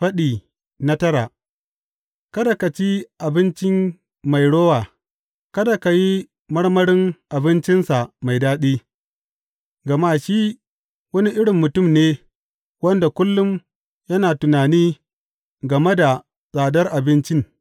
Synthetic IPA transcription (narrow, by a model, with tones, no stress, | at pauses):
ɸɐ˦ɗiː˨ | na˦tɐ˦ɾa˨ | kɐ˦da˨ka˨t͡ʃi˦ʔa˨bɪ˦nt͡ʃɪ˦m | ma˨jɽoː˦waː˨ | kɐ˦da˨ka˨ji˦ | mɐ˦ɽmɐ˦ɽɪ˦ŋʔa˨bɪ˦nt͡ʃɪ˦nsa˨ma˨jdaː˦ɗiː˦ | ɡɐ˨maː˦ʃiː˦ | wɐ˦ni˦ʔɪ˦ɽɪ˨mːʊ˨tʊ˦˨mneː˦ | wɐ˦nda˨kʷʊ˦lːʊ˦m | jɐ˦naː˨tʊ˨naː˨niː˦ | ɡɐ˨me˦da˨ | sʼaː˨dɐ˦rʔa˨bɪ˦nt͡ʃɪ˦ŋ